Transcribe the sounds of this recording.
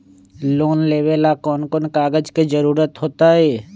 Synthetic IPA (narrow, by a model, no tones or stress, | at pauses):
loːnleːʋelakɔːnkonkaːɡəd͡ʒked͡ʒəɾuːɾət̪ɦoːt̪aɦɛː